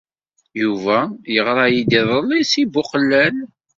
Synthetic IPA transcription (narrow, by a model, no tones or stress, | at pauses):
juvæjəʁɾˤɑjid̪iðˤəlisibʊqəlːæl